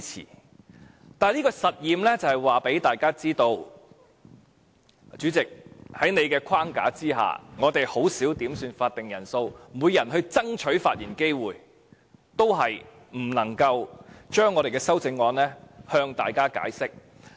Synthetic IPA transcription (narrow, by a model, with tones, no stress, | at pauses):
t͡sʰḭː˨˩ | t̪aː˨niː˥kɔ˧sɐ˨t̚jiː˨mlɛː˥t͡sɐ˨˩hɐ˨˩jwaː˨pe˨˥jt̪aː˨jkaː˥t͡siː˥t̪o˧w | t͡ʃyː˨˥t͡sɪ˨k̚hɐ˨˥jne˨jkɛː˧kʰwaː˥ŋka̰ː˨˥t͡siː˥ɦa̰ː˨ŋɔː˨˧t̪e˨jho˨˥wsiː˨˥wt̪iː˨˥msyː˧nfaː˧t̚t̪ːɪ˨ŋjɐ˨˩nso˧wmuː˨˧jːɐ˨˩nɦɵ˧ɥt͡sɐ˥ŋt͡ʃʰɵ˨˥faː˧t̚jiː˨˩nke˥jwuː˨j | t̪o˥wɦɐ˨j | m̩˨˩lɐ˨˩ŋkɐ˧wt͡ʃœː˥ŋːɔː˨˧ɾe˨˩jkɛː˧sɐ˥wt͡sɪ˧ŋːɔː˧nlɛː˥hœː˧ŋt̪aː˨jkaː˥ka̰ː˨˥jsɪ˥k̚